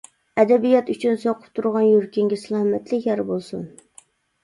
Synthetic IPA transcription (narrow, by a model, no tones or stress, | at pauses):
ɛd̪ɛbijɑt̪yt͡ʃʰynsoqʰʊ̥p̚t̪ʰuɾʁɑnjuɾkʲiŋɡʲɪsɨlˠɑhmɛt̪ʰlɪkʲjɛɾbolˠsun